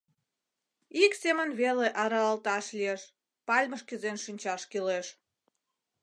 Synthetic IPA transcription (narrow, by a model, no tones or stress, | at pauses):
iksemənβeleʔɑɾɑɑlt̪ɑʃlʲieʃ | pɑlʲməʃkyzenʃinʲt͡ɕɑʃkileʃ